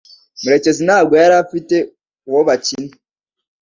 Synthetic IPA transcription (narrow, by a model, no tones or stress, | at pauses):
muɾet͡ʃezinaɡweaɾafite | woβat͡ʃini